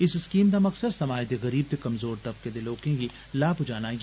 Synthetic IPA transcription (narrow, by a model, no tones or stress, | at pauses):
ɪsɪskiːmd̪amɐksəd̪sɐmaːjd̪eɣɐɾiːb̚t̪ekɐmzoːɾt̪ɐp̚ked̪eloːkẽɡi | laːbʱʊd͡ʒaːnaj